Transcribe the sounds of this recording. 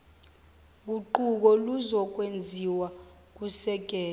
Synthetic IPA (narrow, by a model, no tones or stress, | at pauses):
k̬uǃuk̬ɔluzɔk̬wend͡zʱiwa | k̬usɛk̬ɛː